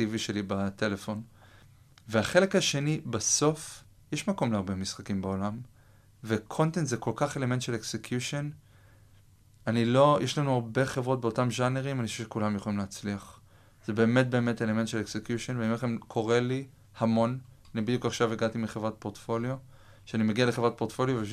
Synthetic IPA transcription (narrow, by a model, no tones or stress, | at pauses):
tiviʃe̞libate̞lefo̞n | veaχe̞le̞khaʃe̞nibaso̞f | jeʃmako̞mleaʁbe̞misχakimbeo̞lam | ve̞kʰo̞ntentzeko̞lkaχe̞leme̞nt̪ʃeleksekjuʃon | anilo̞jʔeʃlanuaʁbe̞χevʁo̞t̚beo̞tamʒaneʁimanioʃuvʃekulamjeχolimleːt͡sliaχ | z̥ebe̞ːme̞t̚be̞ːmetele̞ment̪ʃeleksekjuʃonveimeχemkʰo̞ʁe̞li | hamo̞nanibid̪jukaχʃaveɡatimiχevʁat̚po̞ʁtfo̞ljo̞ | ʃeanimeɡialeχevʁat̚po̞ʁtfo̞ljove